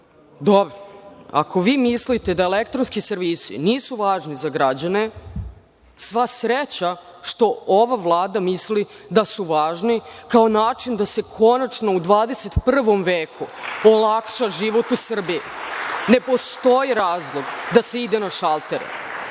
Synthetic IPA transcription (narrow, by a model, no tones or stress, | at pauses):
d̪obɾoa̰ko̞ʋiːmislit̪e̞d̪aelekt̪ɾonskiseɾʋiːsḭniːsuʋaːʒnizaɡɾad͡ʑane | sʋasɾet͡ɕa | ʃt̪o̞oʋaʋlˠaːd̪amisli | d̪asuʋaːʒnikao̞naːt͡ʂind̪ase̞kʰo̞nat͡ʃno̞ud̪ʋaːd̪ese̞t̪pr̩ʋo̞mʋeːkʰuolˠakʃaʒiʋo̞t̪usr̩biine̞po̞st̪o̞jiɾaːzlˠo̞ɡd̪aseid̪enaʃalˠt̪e̞ɾḛ